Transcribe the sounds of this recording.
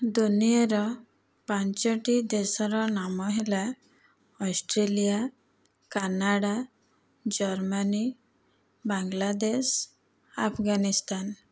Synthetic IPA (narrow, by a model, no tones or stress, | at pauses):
d̪unieɾɔ | paɲt͡ʃɔʈid̪esɔɾɔnamɔɦela | ɔsʈɾelija | kanaɽa | d͡ʒɔɾmani | baŋɡlad̪es | apʰɡanist̪an